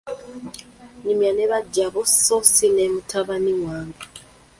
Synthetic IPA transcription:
ɲimjaneβaɟaβososinemutʰaβaniwaːŋɡḁ

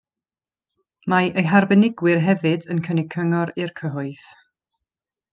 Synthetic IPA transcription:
maʔəjɦarbənɪɡwɪrɦɛvɨdənkʰənɪkʰəŋɔɾɨrkʰəɦʊɨθ

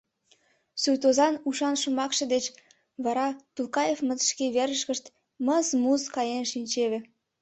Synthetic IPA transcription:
sujt̪ozɑnuʃɑnʃumɑkʃɤ̆d̪et͡ɕ | βɑɾɑt̪ulkɑjefmət̪ʃkeβeɾəʃkəʃt̪ | məzmuzkɑjenʃinʲt͡ɕeβĕ

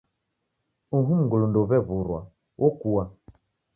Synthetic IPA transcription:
uɦum̩ɡulundɔβɛβuɾwa̰ | wʔɔkuwa

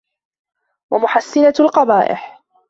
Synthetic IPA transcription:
wamʊħasːɪnalqɑbaːʔɪ̰ħ

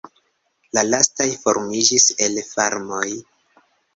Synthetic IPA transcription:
lalastajfo̞̰ɾmid͡ʒise̞lfaɾmo̞j

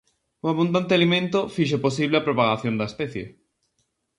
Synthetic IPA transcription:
uaβũnd̪ant̪ealimẽnt̪ofiʃ̬eposiβleapɾopaɣaθjõnd̪aespɛθjḛ

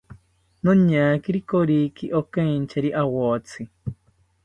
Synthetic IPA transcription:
nõɲaːkiɾikoɾiːkiʔokẽnt͡ʃeɾiʔawot͡sʰi

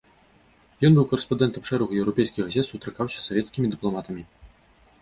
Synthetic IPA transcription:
jɔnbɨwkɐɾɛspand̪ɛnt̪ɐmʂɛɾɐɣujɛwɾɔpʲɛjskʲiɣɣazʲɛt̪sut̪ɾɨkawsʲɐ̥sɔvʲɛt̪skʲimʲid̪ɨplˠɔmat̪ɐmʲi

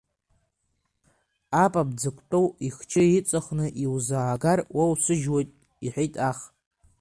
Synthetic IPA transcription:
apʼab̚d͡zɨkʷʰʼtʼowiχt͡ʃʰɨit͡sʼaχnɨʔiwzaːɡarwʔawsʷɨʒwajtʼ | iħʷᶣijtʼaχ

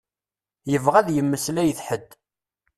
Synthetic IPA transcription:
jəvʁæðjəmːəslæjəθħəd̪ː

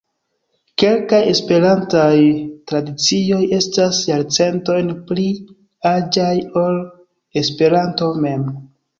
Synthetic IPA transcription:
ke̞lkaje̞spe̞ɾantajtɾadit͡sio̞je̞stasjaɾt͡se̞nto̞jnpli | ad͡ʒajo̞l | e̞spe̞ɾanto̞me̞m

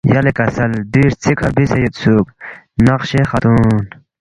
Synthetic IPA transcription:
jɐlekɐsɐld̪iɾt͡sʰikʰɐɾbisejut̪suːk | nɐqɕexɐt̪un

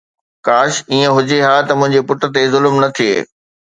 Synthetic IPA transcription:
kaːʃiːə̃ɦʊd͡ʑeɦaːt̪ɐmʊ̃ɦɪ̃ɲd͡ʑepʊʈə̆t̪ezʊlmnɐt̪ʰiḛː

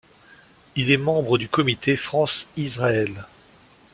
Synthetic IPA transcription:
ilɛmɑ̃bʁəd̪ykɔmit̪ʰefχɑ̃sizʁaɛl

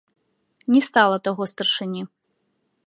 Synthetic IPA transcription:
nʲɛst̪alˠɐt̪aɣɔst̪ɐrʂɨnʲi

